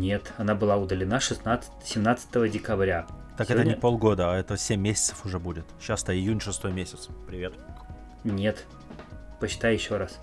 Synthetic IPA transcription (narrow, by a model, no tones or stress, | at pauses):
nʲe̞t̪ɐnabɨlˠaʊd̪əlʲɪnaʂɨsnat̪s | sʲɪmnat̪sə̥t̪əvədʲɪkɐbɾʲat̪akɛt̪ənʲɪpo̞lˠɡo̞d̪əaɛt̪əsʲemʲːesʲɪ̥t̪səfʊʐɛbudʲɪt̪ɕast̪əɪjunʲʂɨst̪o̞jmʲesʲɪt̪spɾʲɪvʲet̪ | nʲe̞t̪ | pət͡ɕːɪt̪ajjɪɕːoɾas